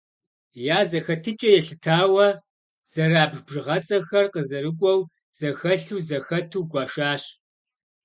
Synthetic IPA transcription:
jaːzɐxɐtʰɨt͡ʃʼɐjɛɬɨtʰaːwɐ | z̥ɐraːbʒbʒɨʁɐt͡sʼɐxɐrqəzɐɾɨkʷʼɔw | z̥ɐxɐɬuːzɐxɐtʰuːɡʷɑːʃaːɕ

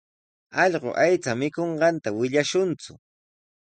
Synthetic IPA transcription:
ɑʎɢo̰ʔajt͡samɪkoɴɢɑnt̪awɪʎaʃʊnt͡sʊ̰

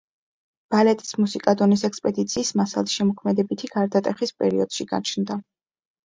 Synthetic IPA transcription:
b̥alɛt̪ʼi̥smusikʼad̪ɔnisɛkspʼɛd̪it̪sʰiːsmasalˠisʃɛmɔkʰmɛd̪ɛbit̪ʰiɡ̥aɾd̪at̪ʼɛχispʼɛ̰ɾiɔd̪̥ʃiɡa̰t͡ʃʰnd̪a

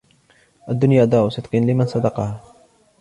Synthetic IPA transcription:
ʔad̪ːʊnjaːʔd̪aːʔʊsɪt̪̚qinlɪmansɑd̪ɑqɑha

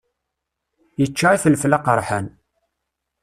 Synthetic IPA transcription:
jət͡ʃːaiθəlflaqəɾˤħan

